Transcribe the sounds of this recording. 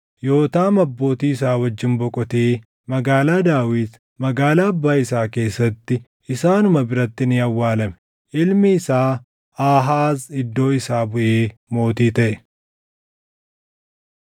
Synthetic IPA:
jo̞ːt̪aːmɐbːo̞ːt̪iːɪs̬aːwɐd͡ʒːɪnbɔkʼɔt̪e̞ː | mɐɡaːlaːd̪aːwiːt̪ | mɐɡaːlaːɐbːaːɪsaːke̞ːsːɐt̪ːɪ | ɪsaːnʊmɐbɪɾɐt̪ːɪnɪɐwːaːlɐmɛ̥ | ʔɪlmɪɪsaː | aːɦaːzɪd̪ːo̞ːɪsaːbʊʔe̞ːmo̞ːt̪iːt̪ɐʔɛ

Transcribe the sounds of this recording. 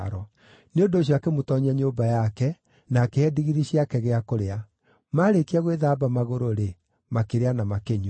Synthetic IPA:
ɾɔ | neondoːɕ̬jiakemotɔɲaɲobajakɛ | nakeɛdiɣiɾiɕiakɛɣeakoɾea | maɾekiaɣweðaːbamaɣoɾoɾe | makeɾeanamakeɲu

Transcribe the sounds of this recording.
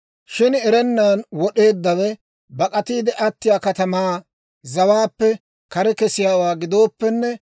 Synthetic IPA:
ʃɪnɛɾɛnːaːnwɔɗe̞ːd̪ːɐwɛ | bɐkʼɐt̪iːd̪ɛʔɐt̪ːɪjaːkɐt̪ɐmaː | zɐwaːpːɛ | kɐɾɛkɛsɪjaːwaːɡɪd̪o̞ːpːɛnːɛ

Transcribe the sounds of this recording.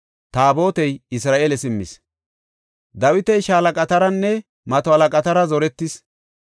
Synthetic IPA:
t̪aːbo̞ːt̪ɛjɪsɾaːʔeːlɛsɪmːɪ̰s | d̪ɐwɪt̪ɛjʃaːlɐkʼɐt̪ɐɾɐnːɛ | mɐt̪ɔɐlɐkʼɐt̪ɐɾɐzɔɾɛt̪ːɪs

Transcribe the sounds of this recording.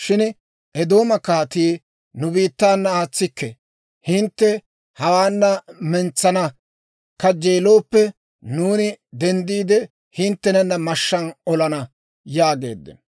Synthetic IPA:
ʃɪn | ʔɛd̪o̞ːmɐkaːt̪iː | nʊbiːt̪ːaːnːɐaːt͡sːɪkːɛ | hɪnt̪ːɛ | hɐwaːnːɐmɛnt͡sːɐnɐ | kɐd͡ʒːeːlo̞ːpːɛ | nuːnɪd̪ɛnd̪iːd̪ɛ | hɪnt̪ːɛnɐnːɐmɐʃːɐnɔlɐnɐ | jaːɡḛːd̪ːɛ̰n

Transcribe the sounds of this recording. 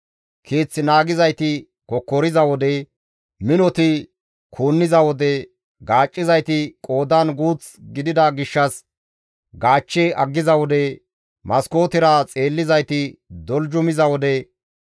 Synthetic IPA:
kʰeːt͡sːɪnaːɡɪzɐjt̪ɪ | kɔkːɔɾɪzɐwɔd̪ɛ | mɪnɔt̪ɪ | kʰuːnːɪzɐwɔd̪ɛ | ɡaːt͡ʃʼːɪzɐjt̪ɪkʼo̞ːd̪anɡuːt͡s | ɡɪd̪ɪd̪ɐɡɪʃːɐs | ɡaːt͡ʃːeːʔɐɡːɪzɐwɔd̪ɛ | mɐsko̞ːt̪ɪɾat͡sʼe̞ːlːɪzɐjt̪ɪd̪ɔld͡ʒʊmɪzɐwɔd̪ɛ

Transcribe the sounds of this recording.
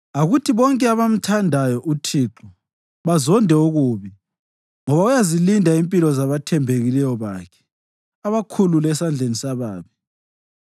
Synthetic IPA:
aɣutʰiβɔŋkʼɛaβam̩tʰandʱajɔʔutʰiːǁɔ | βazɔndʱɛuɣuβi | ŋɔβaujazilindʱaimpʼilɔzaβatʰɛmbʱeɣilɛjɔβakʰɛ̥ | aβakʰululɛsand͡ɮʱenisaβaːβi

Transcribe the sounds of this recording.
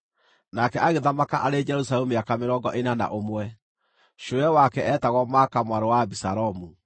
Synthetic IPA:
nakɛaɣeðamakaʔaɾed͡ʒɛɾusalɛmuakameɾɔɡɔʔenana̰ʔomwɛ | ʃoɛwakɛʔɛtaɣɔmakamwaɾowabisaɾɔmu

